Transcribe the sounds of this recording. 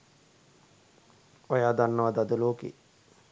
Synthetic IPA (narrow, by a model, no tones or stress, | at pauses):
ojaːd̪anːəʋad̪ad̪əloːkḛ